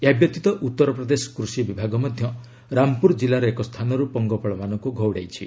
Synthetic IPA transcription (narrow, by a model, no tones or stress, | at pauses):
jabjɔt̪it̪ɔʔut̪ːɔɾɔpɾɔd̪esɔ̥kɾusibibʱaɡɔmɔd̪ʱjɔ | ɾampuɾd͡ʒilaɾɔekɔst̪ʰanɔɾupɔŋɡɔpɔɭɔmanɔŋkuɡʱɔwɽajt͡ʃʰi